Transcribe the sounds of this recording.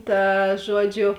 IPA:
ˈtɐ ˈʒuɔˌd͡ʒʲʊ

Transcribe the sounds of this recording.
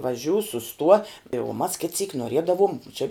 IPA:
ʋɐˈʒʲuː sʊˈstuɔ ɪ uɔ mɐs kʲɪt sʲiːk noːˈrʲiɛdɐʋoːm ˈt͡ʃʲɪ

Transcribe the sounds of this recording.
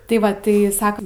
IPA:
tɐɪ ˈʋɐ tɐɪ ˈsɑːkɐm

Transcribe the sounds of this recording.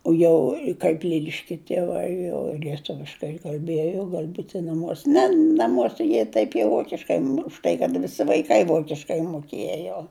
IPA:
oː ˈjɛʊ kɐɪp ˈlʲɪlʲɪʃʲkʲɛ tʲiɛˈʋɐɪ jɛʊ lʲiɛˈtʊʋʲɪʃkɐɪ kɐlʲˈbʲiɛjoː ˈɡɐlʲ ˈbuːtʲɪ nɐˈmuɔsʲɛ ˈnʲɛ nɐˈmuɔsʲɛ ˈjiɛ tɐɪp jɛʊ ˈʋoːkʲɪʃkɐɪ ʊʃ ˈtɐɪ kɐt ʋʲɪˈsʲɪ ʋɐɪˈkɐɪ ˈʋoːkʲɪʃkɐɪ mʊˈkʲeːjoː

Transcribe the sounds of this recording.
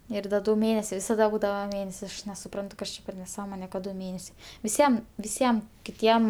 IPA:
ɪr ˈdɐ ˈdʊ ˈmʲeːnʲɛsʲɛɪ ʋʲɪsɐˈdɐ ˈbuːdɐʋɐ ˈmʲeːnʲɛsʲɪ ˈɐʃ nʲɛsʊˈprɐntʊ ˈkɐs t͡ʃʲɛ pʲɛr nʲɛˈsɑːmoːnʲɛ kɐt ˈdʊ ˈmʲeːnʲɛsʲɛɪ ʋʲɪˈsʲiɛm ʋʲɪˈsʲiɛm kʲɪˈtʲiɛm

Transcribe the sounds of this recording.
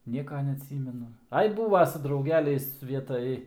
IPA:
ˈnʲiɛkɐ nʲɛɐˈtʲsʲiːmʲɛnʊ ˈɐɪ ˈbuːʋɐ sʊ drɐʊˈɡʲæːlʲɛɪs ˈʋʲiɛtɐj

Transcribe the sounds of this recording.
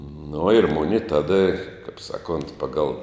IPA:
nʊ ɪr ˈmʊnʲɪ ˈtɑːdɐ kɐp ˈsɑːˌkʊnt ˈpɑːɡɐlˠ

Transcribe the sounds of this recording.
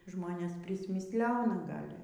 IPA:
ˈʒmoːnʲeːs pʲrʲɪsʲmʲɪsʲˈlʲæːnɐ ˈɡɐlʲ

